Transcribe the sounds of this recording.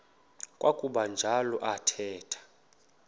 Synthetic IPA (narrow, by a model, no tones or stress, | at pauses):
kʼwʔakʼuɓand͡ʒʱalɔʔatʰɛːtʰḁ